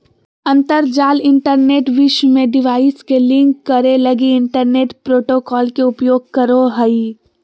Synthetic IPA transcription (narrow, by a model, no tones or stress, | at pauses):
ɐ̃nt̪əɾd͡ʒaːlɪ̃ɳʈəɾneːʈʋɪʃmẽɖɪʋaːɪskelɪ̃ŋkːɐɾelɐɡiɪ̃ɳʈəɾneːʈpɾoːʈoːkɔːlkeʊpjoːɡ̚kɐɾoɦɐi